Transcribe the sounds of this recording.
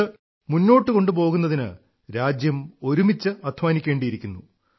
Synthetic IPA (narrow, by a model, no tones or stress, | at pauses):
ɨ | munːo̞ːʈːɨko̞ɳɖɨp̬o̞ːɣunːɐðinɨ̰ | ɾaːd͡ʑjɐmo̞ɾumit͡ɕːɨɐd̪ʱmaːnikʲːe̞ːɳɖijiɾikʲːunːu